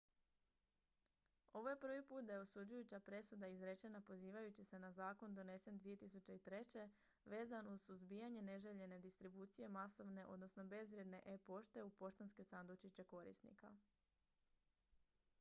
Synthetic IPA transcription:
o̞ʋo̞je̞pr̩ʋipuːt̪̚d̪ajeo̞sud͡ʑujut͡ɕapɾe̞sud̪aizɾe̞t͡ʃe̞napo̞ziːʋajut͡ɕise̞nazaːko̞nd̪o̞ne̞se̞nd̪ʋije̞t̪isut͡ɕe̞it̪ɾe̞t͡ɕe̞ | ʋe̞ːzanuz̥suzbijaɲe̞ne̞ʒeʎe̞ne̞d̪ist̪ɾibuːt̪sije̞maso̞ʋne̞ʔo̞̰d̪no̞sno̞be̞zʋɾʲje̞d̪ne̞ʔepo̞ʃt̪e̞upo̞ʃt̪onske̞sand̪ot͡ʃit͡ɕe̞ko̞ɾḭst̪nḭka̰

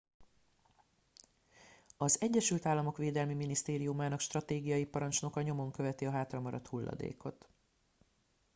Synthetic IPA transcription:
ɒzɛɟːɛʃylt̪aːlːɒmo̞kʋeːd̪ɛlmiminist̪eːɾijumaːnɒkʃt̪rɒt̪eːɡijɒjipɒɾɒnt͡ʃno̞kɒɲo̞mo̞ŋkøvɛt̪iɒɦaːt̪rɒmɒɾɒt̪hulːʔɒ̰d̪ḛːko̞t̪

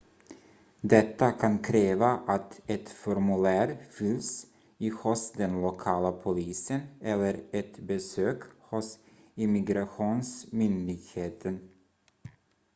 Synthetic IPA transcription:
d̪ɛt̪ːakʰankʰɾeːvaʔat̪ɛt̪fɔɾmɵlæːɾfʏls | ihʊsd̪ɛnlʊkʰɑːlapʰʊliːsənɛlːəɾɛt̪bɛsøːkhʊs | ɪmɪɡɾaɧuːnsmʏnd̪ɪɡheːt̪ʰən

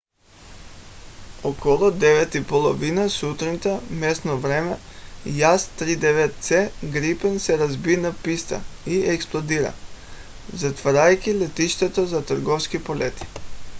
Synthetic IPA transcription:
ɔkɔlˠud̪ɛvɛt̪ipolˠɔvinasut̪ɾint̪amɛsnɔvɾɛmɛjast̪ɾid̪ɛvɛt̪̚t̪sɛɡɾipɛnsɛɾazbinapist̪a̰iɛksplˠod̪iɾa̰ | zat̪vaɾajkʲilɛt̪iʃt̪ɛt̪ozat̪ɾɡɔfskipolɛt̪i̥

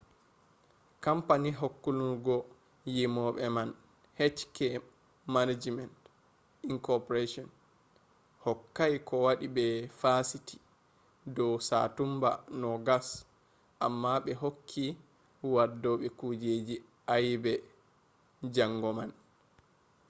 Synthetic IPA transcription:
kampaniɦokːuluɾɡɔ | jimɔɓɛman | hɛtkɛ | manad͡ʒmɛnt | iŋkɔpɔɾeʃɔn | hɔkːajkʰɔwaɗibɛfasiti̥ | dɔwsa̰tumba̰nɔɡas | ʔamːaɓɛɦokʰːi | wadːɔɓɛkud͡ʒed͡ʒi | ʔajbɛ | d͡ʒaŋɡɔman

